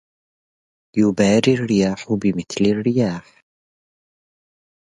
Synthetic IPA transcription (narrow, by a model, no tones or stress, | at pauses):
jʊbaːɾirːɪjaːħʊbɪmɪθlarːɪjaːħ